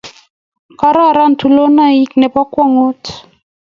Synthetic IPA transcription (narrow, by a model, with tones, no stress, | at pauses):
ka˦ɾa˦˨ɾa˦n̩˨tʰu˨lo˦na˦i˦knɛ˨pa˦kwa˦ŋo˦t